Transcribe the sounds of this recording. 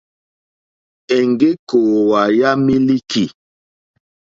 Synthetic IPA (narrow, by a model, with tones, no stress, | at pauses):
ɛ˨ŋɡe˦koː˨wa˨ja˦mi˦li˦kʰi˨